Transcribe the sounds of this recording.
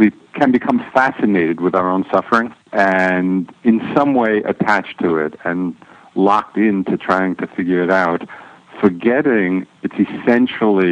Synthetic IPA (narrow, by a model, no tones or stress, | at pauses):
wi | kʰɨ̃nbɨkʰʌ̃ɱfæsɨneɪɾɨd̚wɨðaʊə˞õʊ̃nsʌfə˞ɪ̃ŋɨ̃nɨ̃nsʌ̃mweɪʔɨ̰tʰæt͡ʃtʰəɪ̰ɾɨ̃n | lɑk̚tɪ̃ntʰɨtʰɹ̥aɪɪ̃ŋtʰɨfɪɡjə˞ɨɾaʊtfə˞ɡɛɾɪ̃ŋɨtsɨsɛ̃nʃl̩ˠi